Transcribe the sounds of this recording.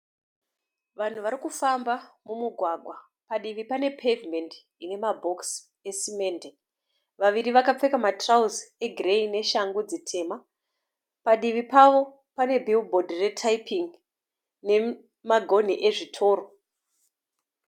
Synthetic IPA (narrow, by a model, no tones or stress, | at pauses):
ʋan̤uʋaɾikufambamumuɡʱwaɡʱwa | paɗiʋipane̞pʰevme̞nd | ine̞mabʱo̞ks | e̞sime̞ːnde | ʋaʋiɾiʋakap͡fe̞kamatrauze̞ɡʱireine̞ʃaŋɡud͡zitʰe̞ːma | paɗiʋipaʋo̞ | pane̞bʱilbʱo̞dʱire̞tʰaipiŋ | ne̞ | maɡʱo̞n̤iʔe̞ʐitʰo̞ːɾo̞